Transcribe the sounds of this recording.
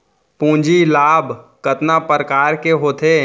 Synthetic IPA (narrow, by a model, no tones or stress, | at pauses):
pũːd͡ʒilaːbkət̪napɾkaːɾkeɦoːt̪ʰe